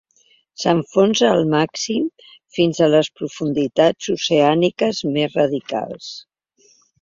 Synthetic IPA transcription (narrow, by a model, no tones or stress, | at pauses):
səɱfonsəːlˠmaksim | finzələspɾufund̪it̪ad͡zuseanikəzmezrəðika̰lˠs